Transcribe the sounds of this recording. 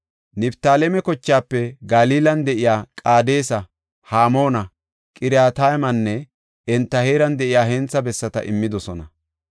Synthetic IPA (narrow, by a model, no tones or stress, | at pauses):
nɪbt̪aːlɛmɛkɔt͡ʃːaːpːɛɡaliːlɐnd̪ɛʔɪjaːkʼaːd̪e̞ːsɐ | haːmo̞ːnɐ | kʼɪɾjaːt̪aːjmɐnːɛ | ɛnt̪ːɐheːɾɐnd̪ɛʔɪjaːhɛnt͡sːɐbɛsːɐt̪ɐ̰ʔɪmːɪd̪ɔsɔnɐ